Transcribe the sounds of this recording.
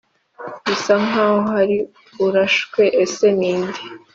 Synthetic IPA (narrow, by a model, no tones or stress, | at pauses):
isaŋaːhoɦaɾi | uɾaʃkwe̞ʔeseniːndi